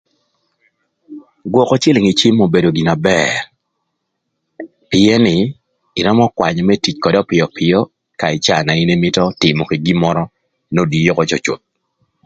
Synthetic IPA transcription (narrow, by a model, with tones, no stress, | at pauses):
ɡwɔ˨kɔ˦t͡ʃɪ˦lɪ˨ŋi˨t͡ʃi˦mo˨be˨do˨ɡi˨na˨bɛr | pɪ˨ɛ˦nɪ˨ | ɪ˨ɾɔ˦mɔ˦kwa˨ɲ˨mɛ˦ti˨t͡ʃkɔ˨dɔ˦pɪ˨ɔ˨pʰɪ˨jɔ˦ | ka˨ɪ˨t͡ʃa˦˨na˨i˦ne˦mɪ˦tɔ˦tɪ˨mɔ˨ke˨ɡi˦mɔ˦ɾɔ˦ | no˦di˨jo˦kɔ˦t͡ʃɔ˨t͡ʃʊ̰˨t̪̚